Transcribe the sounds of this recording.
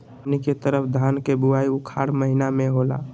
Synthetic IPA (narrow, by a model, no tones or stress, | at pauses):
niket̪əɾəpʰd̪ʱaːnkebuaiʊkʰa̰ːɾməɦinamẽɦola̰